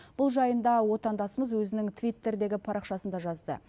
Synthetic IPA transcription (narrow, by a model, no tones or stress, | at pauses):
b̥ʊlˠʒɑjənd̪ɑwo̞t̪ɑnd̪ɑsəməzwɵzɪnɪŋt̪ʰvʲijt̪ːe̞ɾd̪e̞ɡʲɪpʰɑɾɑqʃɑsənd̪ɑʒɑzd̪ə̰